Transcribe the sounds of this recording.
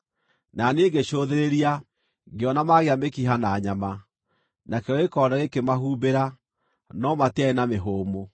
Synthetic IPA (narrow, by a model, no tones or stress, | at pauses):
naneːɡeʃoðeɾeɾia | ɡeɔnamaɣeamekiɦanaːɲama | nakeɔekɔɾaɣekemahuːbeɾa | nɔmateaenameɦoːmo